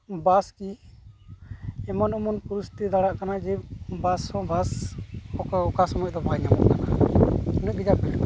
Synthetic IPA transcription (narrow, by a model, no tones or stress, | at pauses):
baski | ɛmanɔmɔnpuɾust̪id̪aɽaʔkanad͡ʒibasɔ̃basɔkɔkasɔmɔʔd̪ɔbʱajɲamɔʔkanaunuɡid͡ʒabɛʈk